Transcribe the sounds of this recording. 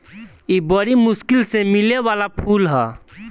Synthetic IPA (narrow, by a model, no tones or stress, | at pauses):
ibəɾimʊskɪlsemɪlewaːlapʰuːlɦɛː